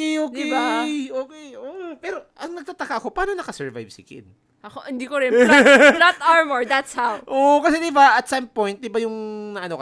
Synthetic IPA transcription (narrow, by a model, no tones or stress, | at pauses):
kɛjʔoːkdɪaoːkɛjopɛːɾo̞ʔɐŋnɐɡ̚t̪aːt̪ɐkaʔɐko̞paːnonɐkɐsɛɹva̰jbsɪkɪ̰d̪̚ | ʔɐkoɪnd̪ikoɾɪnnat̪aɹmoɹd̪at̪shawʔoʔkɐsɛd̪ɪbaʔɐt̪sɐmpojnt̪̚d̪ɪbajʊŋnɐʔɐnokɐ